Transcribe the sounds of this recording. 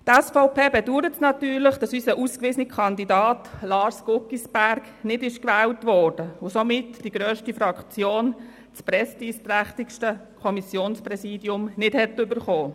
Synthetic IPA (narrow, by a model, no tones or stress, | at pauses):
tɛsfɔʊpeːbɛduːɾətsnɑtyːɾləχd̥ɑsysəʔuskʋɪːsənikʰχɑndidɑːtlɑːɾsɡ̥ʊkisb̥æɾɡ | nɪdɪʃkʋɛːltʋɔːrd̥əʊsomɪtd̥iɡɾœːʃtifɾɑkt͡sjoːn | t͡spɾɛsd̥iːst̪ɾæχtɪkʃtəkʰɔmisjoːnspɾɛsiːdjʊmnɪdhɛtʏbəɾχoː